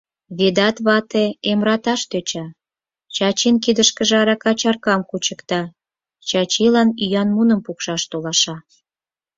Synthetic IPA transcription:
βed̪ɑt̪βɑt̪eemrɑt̪ɑʃt̪øt͡ɕɑ | t͡ɕɑt͡ɕinkid̪əʃkəʒeɑɾɑkɑt͡ɕɑrkɑmkut͡ɕəkt̪ɑ | t͡ɕɑt͡ɕilɑnyjɑnmunəmpukʃɑʃt̪olɑʃɑ

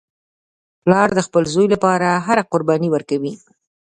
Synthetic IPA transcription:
plɑɾd̪əxpəlzojlapɑɾaɦaɾaqʊɾbɑniwəɾkawi

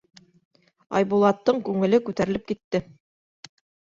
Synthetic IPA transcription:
ɑ̰jbulˠɑt̪ːɤɴkʉŋɘ̆lɘkʉt̪æɾɘ̆lɘp̚kit̪ːɘ

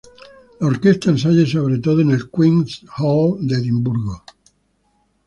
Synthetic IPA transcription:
laoɾkest̪aens̬aʎes̬oβɾet̪̬oð̞oenelkwĩŋshold̪eðimbuɾɣo

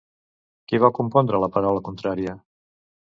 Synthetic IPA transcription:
kiβakumpɔnd̪ɾələpəɾawləkunt̪ɾaɾiə

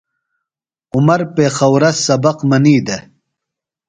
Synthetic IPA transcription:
ʊmɐɾpeːxɐwɾɐsɐbɐqmɐniːd̪e

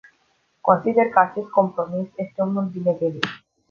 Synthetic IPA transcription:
kɔsid̪eɾkasʰiɾkɔmpɾomisek̪̚ːomnod̪ineɡeli

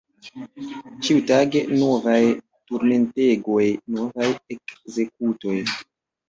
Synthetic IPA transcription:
t͡ʃiutaɡe̞no̞vaj | tuɾme̞nte̞ɡo̞jno̞vajekze̞k̚uto̞j

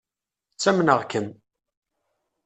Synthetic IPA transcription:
t͡sːæmnəʁkəm

